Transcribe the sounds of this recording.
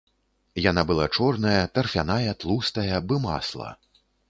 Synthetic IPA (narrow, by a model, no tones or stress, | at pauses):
janabɨlˠat͡ʂɔrnɐjɐt̪ɐrfʲanajɐt̪lˠust̪ɐjɐbɨma̰slˠɐ̰